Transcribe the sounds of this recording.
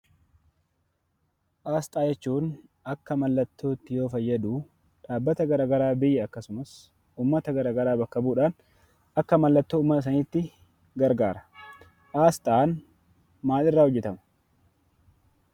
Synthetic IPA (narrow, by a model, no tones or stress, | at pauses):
ʔaːst̪ʼaːjɛt͡ʃːuːn | ɐkːɐmɐlːɐt̪ːo̞ːt̪ːɪjo̞ːfɐjːɐd̪uː | ᶑaːbːɐt̪ɐɡɐɾaːɡɐɾaːbɪjːɛɐkːɐsʊmɐs | uːmːɐt̪ɐɡɐɾaːɡɐɾaːbɐkːɐbuːᶑaːn | ɐkːɐmɐlːɐt̪ːoːmːɐt̪ɐs̬ɐnɪːt̪ːɪ | ɡɐɾɡaːɾɐ̥ | ʔaːst̪ʼaːn | maːlɪrːaːhɔd͡ʒːɛt̪ɐmɐ̥